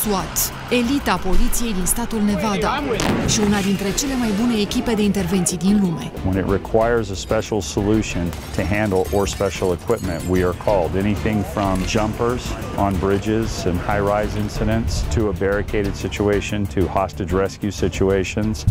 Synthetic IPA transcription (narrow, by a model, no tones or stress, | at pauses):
suat̪ | e̞lit̪apo̞lit̪sije̞jd̪inst̪at̪ulne̞vad̪aʃiunad̪int̪ɾe̞t͡ʃe̞le̞majbune̞ːkʲipe̞d̪e̞int̪erve̞nt̪sijd̪inlume̞̰wə̃nɨ̰ʔ̚ɹɨkʰw̥aɪə˞zəspɛʃl̩ˠsəlʉʃɨ̃n | tʰɨɦæ̃ndl̩ˠə˞spɛʃl̩ˠəkʰw̥ɪp̚mɨ̰̃nʔwiə˞kʰɔlˠdɛñiθɪ̃ŋfɹʌ̃md͡ʒʌ̃mpə˞z̥ | ə̃nbɹɪd͡ʒɪzɨ̃nhaɪɹaɪzɪ̃nsɨɾɨ̃ntstʰɨəbɛɹɨkʰeɪɾɨd̥sɪt͡ʃueɪʃɨ̃ntʰɨhɑstɨd͡ʒɹɛskjʉsɪt͡ʃueɪʃɨ̃nz̥